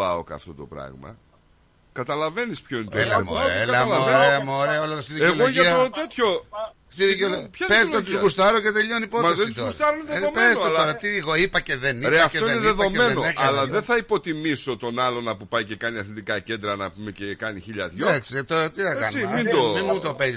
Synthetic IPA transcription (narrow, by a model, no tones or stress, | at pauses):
ɐo̰kɐ̰ft̪o̞̰t̪o̞̰pɾɐ̰ɣmɐ̰ | kɐt̪ɐlɐve̞nispçoint̪lɐm̰ɐɐɐɐlɐenɾeɐmɾeɐolɐst̪iðieoloʝɐit̪ot̪et̪ço̞ | st̪iðiolopçɐpezt̪ot̪uzɣust̪ɐɾocet̪e̞ʎo̞nipomɐeðnut̪ozuɾsɐt̪ɐɾoneðeomezloɾɐt̪iɣoipɐceðeniɾeɐfteoineðeðo̞menenonekɐlɐðenθɐipo̞t̪imiso̞t̪o̞nɐlo̞nɐpupɐjce̞kɐniɐθlit̪ikɐce̞nd̪ɾɐnɐpumecekɐniçiʎɐ̰ðʝoekst̪oɾɐt̪iɐkeɐnt͡simind̪omimut̪opez